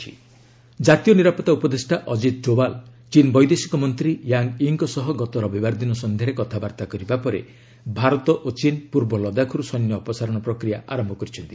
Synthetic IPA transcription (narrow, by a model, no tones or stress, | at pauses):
i | d͡ʒat̪ijɔniɾapɔt̪aupɔd̪esʈaʔɔd͡ʒid̪̚d͡ʒobalt͡ʃinbɔjd̪esi̥kɔmɔnt̪ɾijaŋɡiŋkɔsɔɦɔɡɔt̪ɔɾɔbibaɾd̪inɔsɔnd̪ʱjaɾekɔt̪ʰabaɾt̪akɔɾibapɔɾḛ | bʱaɾɔt̪ɔʔot͡ʃinpuɾbɔlɔd̪akʰɔɾusɔnjɔːpɔsaɾɔɽ̃ɔpɾɔkɾijaʔaɾɔmbʱɔkɔɾit͡ʃʰɔnt̪i